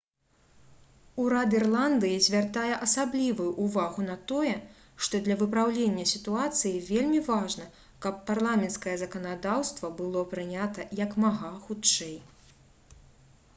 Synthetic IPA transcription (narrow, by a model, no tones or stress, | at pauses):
uɾad̪irlˠand̪ɨjizʲvʲart̪ajɛʔɐsablʲivujuʔuvaɣunɐt̪ɔjɛ | ʂt̪ɔd̪lʲɐvɨpɾawlʲenʲːɐsʲit̪uat̪sɨjivʲelʲmʲivaʐnɐ | kɐpːarlˠamʲɛnt̪skɐjɛzɐkɐnad̪awst̪vɐbɨlˠɔpɾɨnʲat̪ɐjɐkmaɣaxut͡ʂɛj